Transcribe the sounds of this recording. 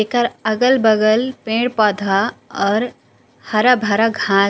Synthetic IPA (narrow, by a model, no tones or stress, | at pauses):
ekəɾɐɡəlbəɡəlpẽːɽpɔːd̪ʱaɔːɾ | hɐɾabʱaɾaɡʱãː